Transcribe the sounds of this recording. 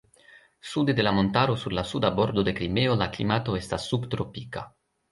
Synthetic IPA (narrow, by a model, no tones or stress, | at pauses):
sud̪ed̪e̞lamo̞nt̪aɾosuɾlasud̪abo̞ɾd̪od̪e̞kɾimeolaklḭmat̪o̞e̞st̪asːubt̪ɾopika